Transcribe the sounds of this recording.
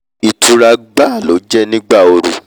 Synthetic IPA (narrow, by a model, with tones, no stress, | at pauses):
i˨tʰu˧ɾa˧ɡ͡ba˦˨lo˨˦d͡ʒɛ˦nĩ˦ɡ͡ba˦˨o˧ɾṵ˨